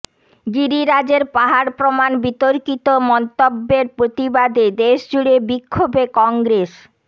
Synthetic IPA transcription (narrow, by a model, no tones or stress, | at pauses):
ɡiɾiɾad͡ʑeɾpaɦaɾpɾomanbit̪oɾkit̪omɔnt̪obːeɾpɾot̪ibad̪ed̪eʃd͡ʑuɽebikʰːobekɔŋɡɾes